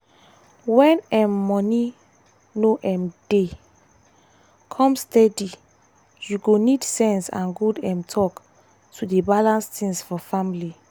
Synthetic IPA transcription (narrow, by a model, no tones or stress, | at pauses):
wɛ̃nɛ̃mːɔni | noʔɛ̃md̥e | kʰɔ̃mstɛdi | juɡonidsɛ̃nsã̰nɡudɛ̃mtʰɔk | tʰudebalãnstʰĩŋsfɔfãmili